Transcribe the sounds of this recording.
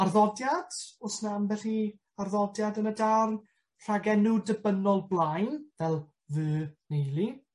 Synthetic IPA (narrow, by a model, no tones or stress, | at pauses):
arðɔdjad̥ʊsnamvɛɬi | arðɔdjadənədarn | r̥aɡɛnʊdəbənɔlˠblˠajnvɛlˠ | vʉːnejlˠi